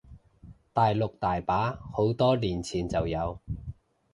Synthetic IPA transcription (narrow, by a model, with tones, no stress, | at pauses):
t̪aː˨jlʊ˨k̚t̪aː˨jpaː˨˥ho˨˥wt̪ɔː˥liː˨˩nt͡sʰiː˨nt͡sɐ˨wjɐ˨˧w